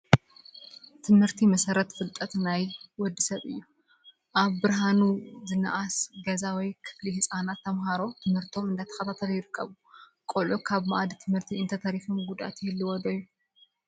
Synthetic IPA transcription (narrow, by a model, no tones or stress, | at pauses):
t̪ʰɨmhɨɾt̪ʰimɐsɐɾɐt̪fɨlt̪ʼːɐt̪najwɔd̪ːɨsɐβɨ̰jːu | ʔaβbɨɾɦanuzɨnɐ̰ʔasɡɐzawijkʰɨ̥flihsʼanat̪ʰːɐmɦaɾo̞t̪ʰɨmhɨɾt̪ʰo̞mɨnd̪at̪ʰɐ̥xɐt̪ʰat̪ʰɐljɪɾɨkʰːɐ̰βu | kʼolʔukʰaβmaʔad̪it̪ʰɨmhɨɾt̪ʰiɨnt̪ʰɐt̪ʰɐɾifomɡud̪a̰t̪jiɨlːiwɔd̪ojːu